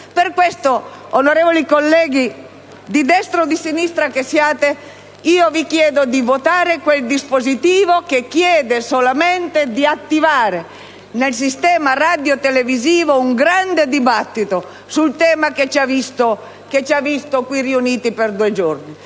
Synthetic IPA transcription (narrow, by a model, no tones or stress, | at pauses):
perkwest̪oonoɾeːvolikolːɛːɡi | d̪id̪ɛst̪ɾod̪isinist̪ɾakesjaːt̪e | iːovikjɛːd̪od̪ivot̪aːɾekweld̪ispozit̪iːvokekːjɛːd̪esolament̪ed̪iat̪ːivaːɾe | nels̬ist̪ɛːmarad̪jot̪eleviziːvouŋɡɾand̪ed̪ibat̪ːit̪o | sult̪ɛːmaket͡ʃavist̪o | ket͡ʃavːist̪okwiriuniːt̪iperd̪uːed͡ʒorni